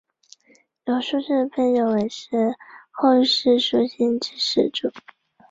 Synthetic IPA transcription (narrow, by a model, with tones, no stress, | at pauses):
jo˨˩ʂu˥˧ʂ̩˥˧˩fə˥njo˨˩ʊwe˨˩ɪʂɻ̩˥˧xo˥˧ʊ˧ʂɻ̩˥˩ʂu˥ɕi˥nʈ͡ʂ̩˥ʂɻ̩˥˩ʈ͡ʂu˨˩˦